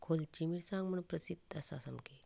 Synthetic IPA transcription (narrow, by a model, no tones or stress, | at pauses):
kʰolt͡ɕimiɽsãŋɡməɳpɾəsid̪ːasa̰samkʰe